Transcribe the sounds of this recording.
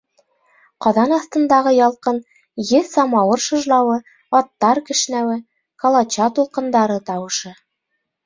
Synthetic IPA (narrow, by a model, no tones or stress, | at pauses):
qɑðɑnɑθt̪ɤ̆nd̪ɑʁɤjɑlˠqɤn | jɘsɑmɑwɤɾʃɤ̆ʒlˠɑwɤ | ɑt̪ːɑɾkɘ̆ʃ̆næwɘ | kɑlˠɑt͡ɕɑt̪ulˠqɤ̆nd̪ɑɾɤt̪ɑwɤ̆ʃɤ